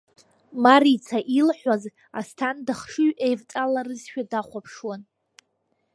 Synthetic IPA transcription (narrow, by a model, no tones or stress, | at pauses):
maɾit͡sʰaʔilħʷaz | a̰stʰandaχʂɨɥʔejvt͡sʼalarɨzʃᶣadaχʷapʰʂwan